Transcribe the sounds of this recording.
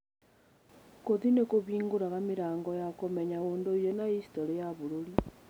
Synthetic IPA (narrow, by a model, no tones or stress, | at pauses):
koðinekoβiːŋɡoɾaɣamiɾaːŋɡɔjakomeɲaoːndoijonaisi̥toɾejaβuɾoɾi